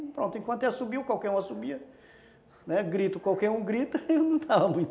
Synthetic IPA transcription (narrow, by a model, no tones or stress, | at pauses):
pɾõnt̪ʊẽkwɐ̃nt̪ɛlɐsubiwkwawkɛɾũɐsubiɐ | nɛɡɾit̪ʊkwawkɛɾũɡɾit̪ɐewnɐ̃t̪ʰavɐmũj̃t̪